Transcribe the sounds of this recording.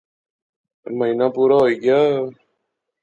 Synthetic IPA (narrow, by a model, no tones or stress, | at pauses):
mainapuːɾaɦoiɡa